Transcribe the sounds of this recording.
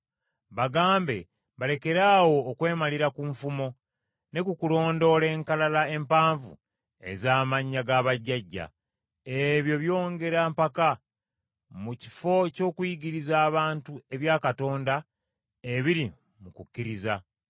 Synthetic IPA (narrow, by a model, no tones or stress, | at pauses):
βaɡaːmbe̞̰ | βale̞ke̞ɾaːwo̞ːkwe̞ːmaliɾakuɱfumo̞ | ne̞kukulo̞ːndo̞le̞ːŋkalalae̞mpaːɱvṵ | e̞̰zaːmaɲːaɡaβaɟːaɟːa̰ | eβjo̞βjo̞ːŋɡe̞ɾaːmpaka | muci̥fo̞co̞ːkwiɡiɾizaːβaːntue̞βjaːkato̞ːnda | eβiɾi | mukucːiɾiza